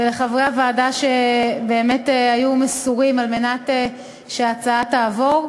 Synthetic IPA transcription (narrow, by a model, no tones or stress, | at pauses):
veleχavʁeavaːdaʃebe̞ːme̞tajumesuʁimalme̞nate | ʃeat͡saataːvo̞ʁ